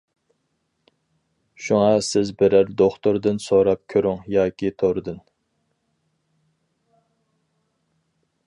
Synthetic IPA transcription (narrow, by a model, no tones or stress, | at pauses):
ʃuŋɑsɪzbɪɾæɾd̪oχt̪oɾd̪ɨnsoɾɑp̚kʲʰøɾyŋjɑːkʲit̪ʰoɾɨd̪ɨn